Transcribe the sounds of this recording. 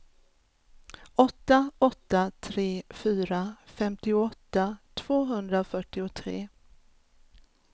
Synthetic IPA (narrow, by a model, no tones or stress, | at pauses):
ɔt̪ːaɔt̪ːat̪ʰɾeːfyːɾafɛmt̪ɪʊɔt̪ːat̪ʰv̥oːɦɵnd̪ɾafœʈːɪʊt̪ʰɾḛː